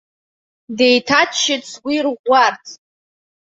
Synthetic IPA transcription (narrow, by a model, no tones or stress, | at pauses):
de̞jtʰatʰʃɪt͡sʰwirʁʷartʰ